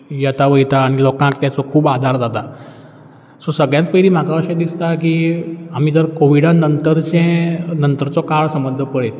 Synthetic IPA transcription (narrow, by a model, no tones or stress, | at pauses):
jat̪aʋəjt̪aːɽ̃ilɔkãkt̪jat͡sɔkʰuːbad̪ʱaɾd͡zat̪a | sɔsəɡɭjãnt̪̚pəɦliːm̤akaəɕə̃d̪ist̪akiːam̤iːd͡z̪əɾkoʋiɽanənt̪əɾt͡ɕẽnənt̪əɾt͡sɔkaɭsəmbəd̪ʱːəpəɭe